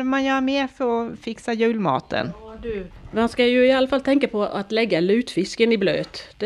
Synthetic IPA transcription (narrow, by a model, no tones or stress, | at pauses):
manjœːɾameːfœɾɔfɪksajʉ̟ːlmɑ̰ːt̪ʰə̰nd̪ʉmanskajɵɪalːəfalt̪ʰɛŋkapʰɔʔat̪lɛɡːalʉːt̪fɪskənɪblø̰ːt̪d̥̪